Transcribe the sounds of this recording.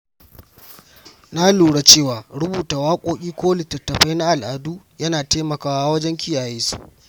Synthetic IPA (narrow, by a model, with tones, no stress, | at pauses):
na˦luː˨ɽa˦t͡ʃeː˦˨waː˨ɽʊ˦buː˨taː˨waː˦kʷʼoː˦kʲʼiː˦kʷoː˦lɪ˨tɐ˨tːɐ˨ɸa˦jna˦ʔa˨lʔaː˨duː˦ | jɐ˦naː˨teː˦mɐ˨kaː˦wa˦wɐ˦d͡ʒɛ˦ŋkʲʰɪ˦jaː˨jeː˦su̥˦˨ʔ